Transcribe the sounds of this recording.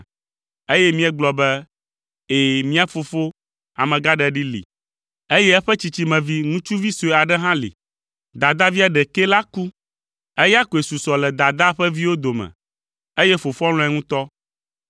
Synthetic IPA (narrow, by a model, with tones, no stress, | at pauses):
e˦jɛ˦mĩ˦ɛ˦ɡ͡blɔ˨bɛ˦ | e˨mĩ˦a˨fo˨fo˦ | a̰˨mɛ̃˨ɡa˦ɖɛ˨ɖi˦lḭ˨ | e˦jɛ˦ɛ˦ɸɛ˦t͡ɕi˨t͡ɕi˨mɛ̃˨vi˦ŋũ˦t͡ʃu˦vi˦so˨ɛ˨a˨ɖɛ˦ɦã˦lḭ˨ | d̪a˨d̪a˦vi˦a˨ɖɛ˨ke˦la˦ku˦ | e˦ja˦ko˨e˨su˨sɔ˨lɛ˨d̪a˨d̪a˦ɸɛ˦vi˦wo˦d̪o˨mɛ̰̃˨ | e˦jɛ˦fo˨fɔ˦l̃ɔ̃˦ɛ˦ŋũ˦t̪ɔ˦